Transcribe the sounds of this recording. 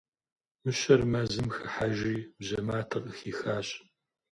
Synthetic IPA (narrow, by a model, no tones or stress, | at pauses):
mɨɕɐrmɐzɨmxɨħaʒiːbʑɐmaːtʰɐrʼəxiːxaːɕʼ